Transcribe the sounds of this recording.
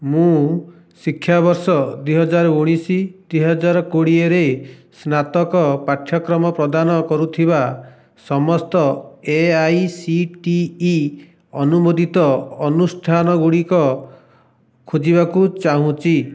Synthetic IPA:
mũ | sikʰːjabɔɾsɔd̪wijɦɔd͡ʒaɾɔuɽ̃isid̪wiɦɔd͡ʒaɾɔkoɽieɾesnat̪ɔkɔpaʈʰjɔkɾɔmɔpɾɔd̪anɔkɔɾut̪ʰiba | sɔmɔst̪ɔeajsiʈiː | ɔnumod̪ʱit̪ɔɔnusʈʰanɔɡuɽikɔ | kʰud͡ʒibakut͡ʃaɦũt͡ʃi

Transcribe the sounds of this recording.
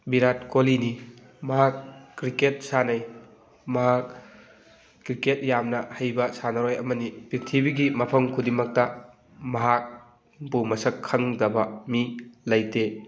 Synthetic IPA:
biɾat̚kolini | mɐɦakːɾiket̚sanɐj | mɐɦak̚ | ɾiket̚jamnɐhɐjbɐsanɐɾojɐmɐnipiɾtʰibiɡimɐpʰɐmkʰudiŋmɐk̚tɐ | mɐɦak̚ | bumɐsɐkʰːɐŋdɐbɐmilɐjte

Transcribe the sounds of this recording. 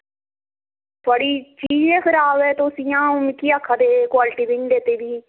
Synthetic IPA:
t̪ʰʊaːɽiːt͡ʃiːd͡ʒeːkʰəɾaːbɛːt̪oːsɪjãːmɪkiːaːkʰːaːd̪eːkwaːlɪʈiːbɪ̃ŋɖ̪eːt̪eːʋiː

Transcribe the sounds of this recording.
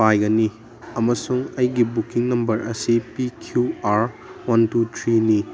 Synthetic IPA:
ajɡɐni | ɐmɐsuŋɐjɡibukiŋnɐmbɐɾʔɐsipikʰjuaɾ | wɐntutʰɾini

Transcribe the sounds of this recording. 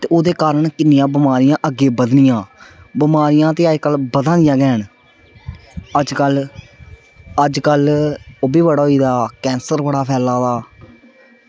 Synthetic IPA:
t̪eːoːd̪eːkaːɾəɳkɪnjãːbɪmaːɾɪjãːʔəɡeːbəd̪nɪjãːbɪmaːɾɪjãːt̪eːəd͡ʒkəlbəd̪ãːd̪ɪjãːɡɛːɳ | əd͡ʒkəl | əd͡ʒkəloːbiːbəɽaːɦoiːd̪aːkɛ̃ːnsəɾbəɽaːpʰɛːlaːd̪aː

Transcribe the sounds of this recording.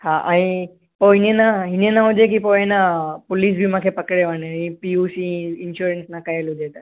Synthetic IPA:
hãʔa̰ɽ̃i | ponenaɦinenaɦud͡ʒek̬ipojenapulis̬bʱimakʰepəkɽeʋanẽipiusiinɕuɾensnakajelud͡ʒet̪a

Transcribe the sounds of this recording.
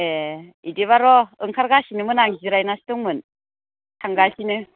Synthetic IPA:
eidiβaɾɔɯŋkʰaɾɡasinɯmɯnaŋziɾajnastuŋmɯn | tʰaŋɡasinɯ

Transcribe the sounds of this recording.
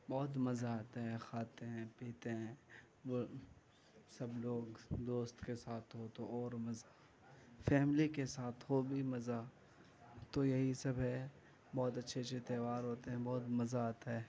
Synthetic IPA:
bɔːt̪̬mɐzaaːt̪aɦɛ̃xʰaːt̪eɦɛ̃piːt̪eɦɛ̃ː | o | sɐbloːɡd̪oːst̪kesaːt̪ʰɦot̪oɔːɾmɐza | fɛːmlikesaːt̪ʰɦobʱimɐza | t̪ojɐɦisɐbɦɛ | bɔːt̪ɐtːʃʰet͡ʃʰet̪eʋaːɾɦoːt̪eɦɛ̃bɔːt̪mɐzaaːt̪aɦɛː

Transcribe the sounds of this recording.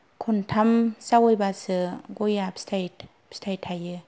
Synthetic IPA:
kʰɔntʰamsawɔjbasɯɡɔjapstʰajt | pstʰajtʰajɯ

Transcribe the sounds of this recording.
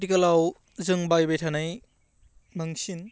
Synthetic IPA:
tikɐlaw | zɯŋbajbejtʰanaj | mɐŋsin

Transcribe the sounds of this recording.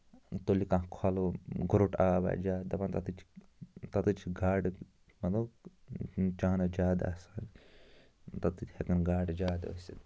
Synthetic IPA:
t̪olikãːkʰwaloɡuɾoʈaːba̰d͡ʒaːd̪ɐpant̪ɐt̪ɨt͡ʃʰ | t̪ɐt̪ɨt͡ʃʰɡaːɖ | mɐt̪u | t͡ʃaːnɐd͡ʒaːd̪a̰saː | t̪ɐt̪ɨt̪ʲhekɐnɡaːɖd͡ʒaːd̪o̰si

